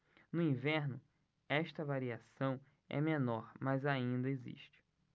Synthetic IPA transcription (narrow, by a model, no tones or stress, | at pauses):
nʊĩvɛɾnʊ | ɛʃt̪ɐvaɾiasɐ̃w̃ | ɛ̰menɔɾmɐzaĩnd̪ɐezḭʃt͡ʃɪ̥